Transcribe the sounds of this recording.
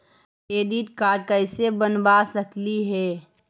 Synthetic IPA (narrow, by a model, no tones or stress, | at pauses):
eːd̪it̪kaːʈ̚kaɪsebɐnbaːsɐkliɦɛː